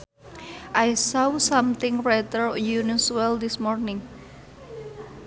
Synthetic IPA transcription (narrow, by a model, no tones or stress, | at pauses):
ʔajsɔsamt̪ɪŋɹɛt̪əɹjunuswɛld̪ismɔrnɪŋ